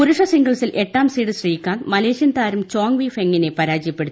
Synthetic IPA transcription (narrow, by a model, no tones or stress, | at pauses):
uɾuʂɐsiŋɡɐɭsilʔe̞ʈːaːmsiːɽɨɕrijikʲːaːnmɐleːɕjɐnt̪aːɾumt͡ɕoːŋʋiːfe̞ŋːine̞pɐɾaːd͡ʑijɐpːe̞ɽut̪ːi